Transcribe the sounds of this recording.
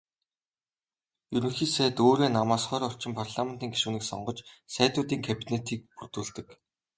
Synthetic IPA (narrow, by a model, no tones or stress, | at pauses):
jɵɾɵ̆ŋxiːsæːt̪oːɾeːnamaːsχœːɾɔr̥t͡ɕɪ̆mpʰarɮamen̥t̪iːŋɡi̥ʃŭwniːksɔ̰ɴɢɞ̆t͡ɕsæːt̪ʊːt̪iːŋkʰæpʲinet̪ʰiːk̚purt̪uːɮt̪ɘ̆k